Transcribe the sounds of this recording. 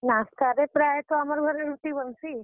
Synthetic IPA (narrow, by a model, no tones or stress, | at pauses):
nast̪aɾepɾajt̪oamaɾɡʱəɾenut̪ibənsi